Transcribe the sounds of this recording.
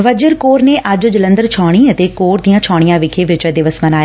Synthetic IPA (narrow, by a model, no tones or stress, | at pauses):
ʋəd͡ʒəɾkoːɾneːʔəd͡ʒʊd͡ʒlənd̪əɾt͡ʃʰɔːɽ̃iːət̪eːkoːɾd̪iːãːt͡ʃʰɔːɽ̃ijãːʋɪkʰeːʋɪt͡ʃɛd̪ɪʋəsmənaːj